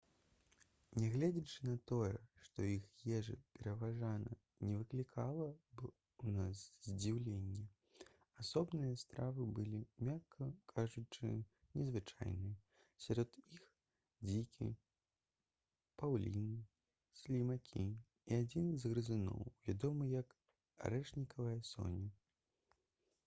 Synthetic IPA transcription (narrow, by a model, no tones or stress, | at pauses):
nʲɛɣlʲɛd͡zʲɐt͡ʂɨnɐt̪ɔjɛʂt̪ɔixjɛʐɨ̰pʲɛɾɐvaʐanɐ̰ | nʲɛvɨklʲikʰalˠɐb | wnaszʲd͡zʲiwlʲenʲːɛ | asɔbnɨjɐst̪ɾavɨbɨlʲimʲakʰːɐkʰaʐut͡ʂɨ̰ | nʲɛzvɨt͡ʂa̰jnɨjɐ | sʲaɾɔd̪ix | d͡zʲikʲḭ | pawlʲinɨ | sʲlʲimakʲʰḭ | iad͡zʲinzɣɾɨzɨnɔ̰wvʲad̪ɔmɨjɐk | a̰ɾɛʂnʲikʰɐvɐjɐsɔ̰nʲi